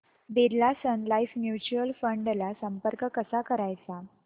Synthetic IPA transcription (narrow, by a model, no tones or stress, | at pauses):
beɾlasənlaijfmjut͡ɕuəlfəɳɖlasəmpəɾkəkəsakəɾajt͡sa